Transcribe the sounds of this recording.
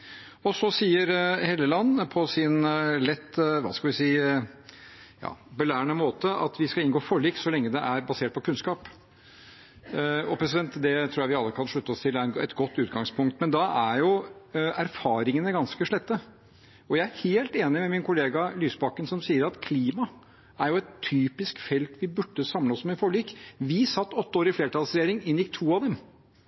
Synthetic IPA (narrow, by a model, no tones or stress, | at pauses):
ɔsɔsiːəɾheːlːəlɑnːpʰɔsɪnlɛt̪ːʋɑ̰ːskɑlʋɪsiː | jɑ̰ːbəlæːɳəmoːt̪əʔɑ̰t̪ʋɪskɑɪnɡoːfɔɭiːksɔlɛŋːəd̪ɛʔæɾbɑseːʈ̚pʰɔkʰʉnskɑːp | ɔpʰɾɛs̬ɪd̪ɛnt̪d̪ɛt̪ʰɾuːjæɪʋɪɑlːəkʰɑnʂɭʉt̪ːəɔst̪ʰɪlæɾɛnɛ̰t̪ɡɔt̪ːʉːt̪ɡɑŋspʰʊŋk̚t̪mɛnd̪ɑæɾjʊæɾfɑːɾɪŋənəɡɑnskəʂɭɛt̪ːə | ɔjæɪæɾheːlt̪eːnɪmɛmɪnkʰʊleːɡɑlyːsbɑkənsɔmsiːəɾɑt̪kʰliːmɑ | æɾjʊɛt̪ʰːyːpɪskfɛlt̪ʰʋɪbʉɖːəsɑmləɔsmɛɪfɔɭiːkʋɪsɑt̪ːɔt̪ːəoːɾɪfleːɾəʈɑlsɾɛjeːɾɪŋɪnjɪkt̪ʰuːɑʋd̪ɛm